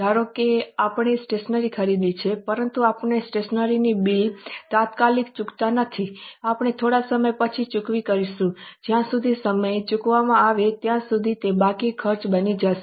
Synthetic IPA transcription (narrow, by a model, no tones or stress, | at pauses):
d̪ʱaɾokeapɳ̃isʈeʃnəɾikʰəɾid̪it͡ʃʰepəɾənt̪uapɳesʈeʃnəɾinibilt̪at̪kalikt͡ʃʊkt̪anət̪ʰiapɳ̃et̪ʰoɽasəməjpət͡ʃʰit͡ʃukʋikəɾiʃũd͡ʒjãsud̪ʱisəməjt͡ʃukʋamãaʋet̪jãsud̪ʱit̪ebakikʰəɾt͡ʃbənid͡ʒaʃe